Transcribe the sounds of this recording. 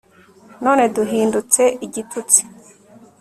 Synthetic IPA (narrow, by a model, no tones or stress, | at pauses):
no̞ːne̞duɦiːndut͡se̞ʔiɟitʰut͡si̥